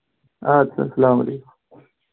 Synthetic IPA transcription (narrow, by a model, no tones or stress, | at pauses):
at͡sʰa̰sɐlaːmɐ̰lekʊm